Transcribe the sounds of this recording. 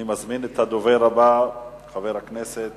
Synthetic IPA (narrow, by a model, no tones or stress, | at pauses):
imazminet̪had̪oveʁaba | χaveʁhakneset̪